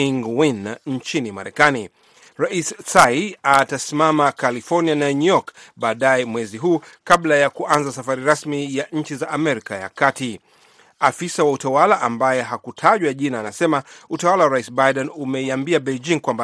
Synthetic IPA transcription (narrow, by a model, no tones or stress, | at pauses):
iŋwinɲ̩t͡ʃinimaɾɛkani | ɾaissaiatasimamakalifɔɾnianaɲujɔkɓaːɗajɛmwɛziɦuːkaɓlajakuʔanzasafaɾiɾasmijaʔɲ̩t͡ʃizaʔːmɛɾikaja̰kati | afisawautawalaʔambajɛɦakutʰaʄwaʄinaːnasɛmautawalawaɾaisbajɗɛnumɛiambiaɓɛd͡ʒiŋkwamba